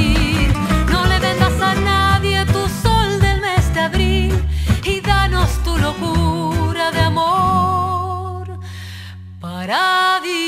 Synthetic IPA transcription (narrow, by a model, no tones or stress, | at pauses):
ɾno̞le̞ðe̞ɣasanaðje̞t̪uso̞ld̪e̞lme̞zd̪eaβɾiliðano̞st̪ulo̞kuɾaðeamo | ɾ | paɾaði